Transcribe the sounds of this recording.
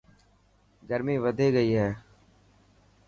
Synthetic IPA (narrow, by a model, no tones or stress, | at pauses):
ɡəɾmĩːʋəd̪ʱeːɡəiːɦɛ̃ː